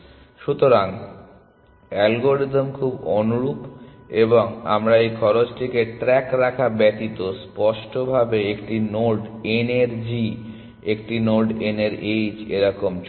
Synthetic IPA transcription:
ʃut̪oɾaŋ | ɛlɡoɾid̪omkʰubonuɾup | eboŋa̰mɾaejkʰɔɾot͡ɕʈʰikeʈɾɛkɾakʰabɛt̪it̪ospɔʃʈobʱabeekʈinoɖeneɾd͡ʑi | ek̚ʈinoɖeneɾed͡ʑeɾɔkomt͡ɕ

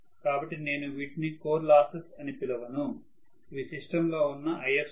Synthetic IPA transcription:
kaːbɐʈːine̞ːnuʋiːʈnikoːɾlaːsɐsɐnipilɐʋɐnu | iʋisiʂʈɐmlo̞ːunːɐʔɐjɐɾs

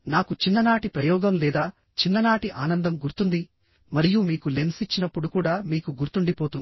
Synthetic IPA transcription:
naːkut͡ʃinːɐnaːʈipɾɐjɔːɡɐmlɛːd̪aː | t͡ʃinːɐnaːʈiʔaːnɐnd̪ɐmɡuɾt̪und̪i | mɐɾijumiːkule̞nsit͡ʃːinɐpːuɽukuːɽaːmiːkuɡuɾt̪uɳɖipoːt̪un

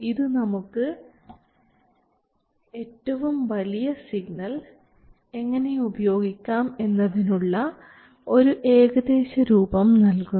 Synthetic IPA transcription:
iðɨnɐmukːɨ | e̞ːtːɐʋumʋɐlijɐsiɡ̚nɐl | e̞ŋːɐne̞ubɐjo̞ːɡikʲːaːme̞nːɐðinuɭːɐ | o̞ɾuʔe̞ːɡɐd̪e̞ːɕɐɾuːbɐmnɐlkun

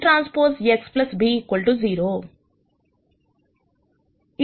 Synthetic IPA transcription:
ʈɾaːnspoːɾseksplɐsbiːkɐlʈuziːɾoː | i

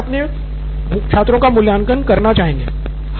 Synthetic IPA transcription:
pne | ʃʰaːt̪ɾõkamʊljaːnkənkɐɾnat͡ʃaːɦẽːŋɡḛː | h

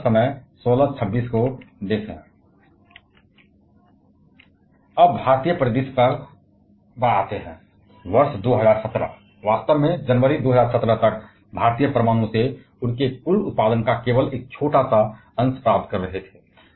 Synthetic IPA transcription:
səməjsoːlat͡ʃʰəbːiːskod̪eːsɦɛ̃ | əbbʱaːɾt̪ijəpɾəd̪ispəɾ | bəa̰t̪eɦɛ̃ː | ʋəɾsd̪oɦəzaːɾsət̪ɾə̰ | ʋaːst̪əʋmẽd͡ʒənʋəɾid̪oːɦəzaːɾsət̪ɾət̪ək̚ | bʱaːɾt̪ijəpɾəmaːñõse | ʊnkekʊlʊt̪̚paːd̪ənkakeːʋəleːk̚t͡ʃʰoːʈasa | ə̃nspɾaːp̚t̪̚kəɾːəɦɛt̪ʰɛ

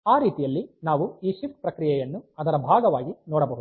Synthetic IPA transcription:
aːɾiːt̪ijɐlːinaːʋuiːʃifkpɾɐkɾijɛjɐnːuɐd̪ɐɾɐbʱaːɡɐʋaːɡinɔːɽɐbɐɦud̪

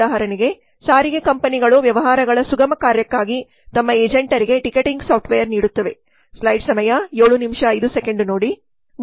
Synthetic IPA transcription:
aːɦɐɾɐniɡe̞ | saːɾiɡekɐmpɐniɡɐɭuʋjɐʋɐɦaːɾɐɡɐɭɐsuɡɐmɐkaːɾjɐkːaːɡi | t̪ɐmːɐeːd͡ʒɐɳʈɐɾiɡe̞ʈikeʈiŋɡsaːp̚ʈʰʋejɐɾniːɽut̪ːɐʋe̞ | slɐjɖsɐmɐjɐjoːɭunimʂɐːjd̪usekeɳɖno̞ːɽi | m

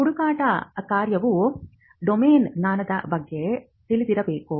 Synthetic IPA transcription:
uɽukaːʈɐkaːɾjɐʋu | ɖomeːnnaːnɐd̪ɐ̰bɐɡːe̞ | t̪ilid̪iɾɐbe̞ːku

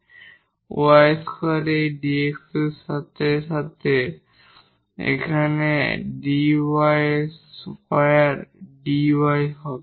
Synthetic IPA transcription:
wajskʰɔɾeɖiekssat̪eʃat̪ʰe | ḛkʰanḛɖiwajspajaɾɖiwajɦɔ

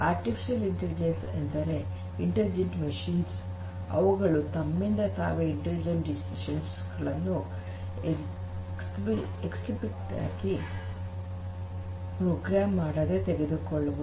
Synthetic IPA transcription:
aːɾʈipʰi̥ʃɐliɳʈelid͡ʒensḛnt̪ɐɾe̞ | iɳʈelid͡ʒeɳʈmɐʂiːns | ɐ̰ʋuɡɐɭut̪ɐmːind̪ɐt̪a̰ːʋeiɳʈelid͡ʒɐnʈɖisiʃɐns | ɡɐɭɐnːu | ksi | eksibiʈːa̰ːɡi | pɾoːɡɾaːmːaːɽɐd̪et̪eɡed̪ukoɭːɐʋu

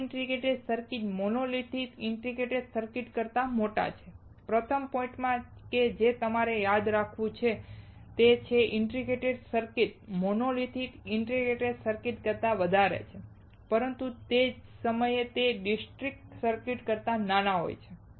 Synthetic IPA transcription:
ɳʈɾiɡeʈeɖsəɾkiʈmonolit̪ʰit̪ɪɳʈɾiɡeʈeɖsəɾkiʈkəɾt̪amoʈa̰t͡ʃʰe | pɾət̪ʰəmpɔ̃ĩɳʈmãked͡ʒet̪əmaɾejad̪ɾakʰʋũt͡ʃʰe | t̪et͡ʃʰeʔɪɳʈɾiɡeʈeɖsəɾkiʈ̚monolit̪ʰit̪ɪɳʈɾiɡeʈeɖsəɾkiʈkəɾt̪aʋəd̪ʱaɾḛt͡ʃʰe | pəɾənt̪ũt̪ed͡ʒsəməjet̪eɖisʈɾik̚ʈsəɾkiʈkəɾt̪ananaɦo̰jt͡ʃʰe

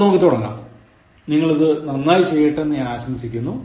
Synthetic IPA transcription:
no̞ːkːit̪ːoɽɐnːa̰ | niŋːɐɭɐðɨnɐnːaːjit͡ɕe̞jːiʈːenːɨaːɕɐmsikʲːunːu

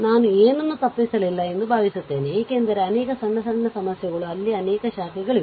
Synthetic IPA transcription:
naːnueːnunːut̪ɐpːisɐlilːɐe̞nd̪ubʱaːʋisut̪ːe̞ːneeːke̞ːnd̪ɐɾeɐneːkɐsɐɳːɐsɐɳːɐsɐmɐsjɐɣɐɭuɐlːiɐneːkɐʃaːɾiɡɐɭi

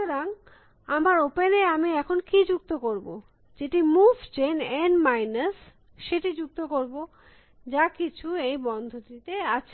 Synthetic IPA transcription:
eɾaŋ | amaɾopeneamiɛkʰonkid͡ʑuk̚t̪okoɾbo | d͡ʑeʈimufd͡ʑenenmajnas | ʃeʈid͡ʑuk̚t̪okoɾbo | d͡ʑakit͡ɕʰuejbɔnd̪ʱot̪it̪eat͡ɕʰe

